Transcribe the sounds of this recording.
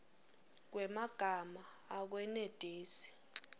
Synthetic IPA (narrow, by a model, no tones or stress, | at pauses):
k̬wɛmaɡ̥ʱamaːk̬wɛned̥ʼʱiːsi̥